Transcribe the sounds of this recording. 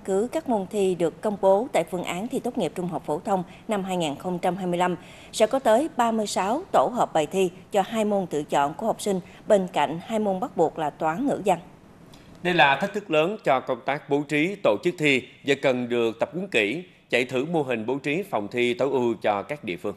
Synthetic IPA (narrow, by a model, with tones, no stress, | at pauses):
kɨ˨˦kaː˦˥k̚mo˧nt̪ʰi˧ɗɨ˨˩əkːə˧wŋ͡mɓo˨˦t̪a̰ː˧˨jfɨ˧əŋʔaː˨˦nt̪ʰi˧t̪o˦˥t̚ŋi˨˩p̚t͡ɕʊ˧ŋ͡mɦa˨˩wk͡p̚fo˧˩t̪ʰə˧wŋ͡m | na˧mɦaː˧jŋaː˨˩nxə˧wŋ͡mt͡ɕa˧mhɦaː˧jmɨ˧əjla˧m | sɛ̰˧˥kɔ˨˦t̪əː˨˦jɓaː˧mɨ˧əjsaː˨˦wt̪o˧˩ɦəː˨˩p̚ɓa˨˩jt̪ʰi˧t͡ɕɔ˧ɦaː˧jmo˧nt̪ɨ̰˧˨t͡ɕɔ̰˧˨nku˧˩əha˨˩wk͡p̚sï˧ŋ̟ | ɓe˧nka̰˧˨jŋ̟haː˧jmo˧nɓa˦˥k̚ɓu˨˩ək̚laː˨˩t̪waː˨˦nŋɨ̰˧˥za˧ŋ | ɗə˧jlaː˨˩t̪ʰi˦˥k̚t̪ʰɨ˦˥k̚ləː˨˦nt͡ɕɔ˧kə˧wŋ͡mt̪aː˦˥k̚ɓo˨˦t͡ɕi˨˦t̪o̰˧˨t͡ɕɨ˦˥k̚t̪ʰi˧za̰ː˧˨˩kə˨˩nɗɨ˨˩ək̚t̪ə˨˩p̚ʔu˨˦əŋkḭ˧˩ | t͡ɕa̰˧˨jt̪ʰɨ˧˩mo˧ɦï˨˩ŋ̟ɓo˨˦wt͡ɕi˨˦fa˨˩wŋ͡mt̪ʰi˧t̪ə˨˦wʔɨ˧t͡ɕɔ˧kaː˦˥k̚ɗḭ˧˨əfɨ˧əŋ